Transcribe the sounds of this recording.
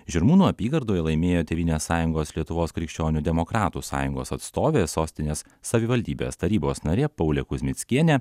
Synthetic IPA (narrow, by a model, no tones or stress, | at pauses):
ʒʲɪɾmuːnuːɐpʲiːɡɐɾd̪oːjɛlˠɐɪmʲeːjoːt̪ʲɛʋʲiːnʲeːsːɑːjʊŋɡoːslʲiɛt̪ʊʋoːskɾʲɪkʃʲt͡ʃʲoːnʲud̪ʲɛmɔkɾɑːt̪usɑ̰ːjʊŋɡo̰ːsɐt̪st̪oːʋʲeːsoːsʲt̪ʲɪnʲeːs | sɐʋʲɪʋɐlʲd̪ʲiːbʲḛːst̪ɐɾʲiːboːsnɐɾʲeːpɐʊlʲɛkʊzʲmʲɪt̪sʲkʲiɛnʲɛ